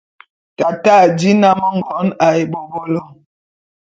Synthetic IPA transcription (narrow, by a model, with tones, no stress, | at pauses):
ta˨ta˦˨di˦na˦mɔ˦ŋ̩˨ɡɔ˨˦na˨e˨bo˨bo˦lɔ˦˨